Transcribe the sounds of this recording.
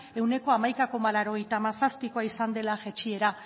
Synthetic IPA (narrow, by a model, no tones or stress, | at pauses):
e̞wne̞ko̞amajkako̞malaɾo̞ɣe̞jt̪amasaspiko̞aisand̪e̞laʝet͡ʃie̞ɾa